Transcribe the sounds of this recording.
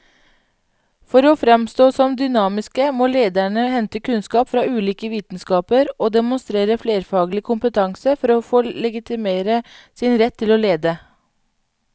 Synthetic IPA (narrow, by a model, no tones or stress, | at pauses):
fɔɾoːfɾɛmst̪oːsɔmd̪ʏnɑːmɪskəmoːleːd̪æɳəhɛnt̪əkʰʉnskɑːpfɾɑːʉːliːkəʋiːt̪n̩skɑːpəɾoːd̪ɛmʊnst̪ɾeːɾəfleːɾfɑːɡlɪkʰʊmpət̪ʰɑŋsəfɔɾoːfoːlɛɡɪt̪ɪmeːɾə | sɪnɾɛt̪ʰːɪloːleːd̪ə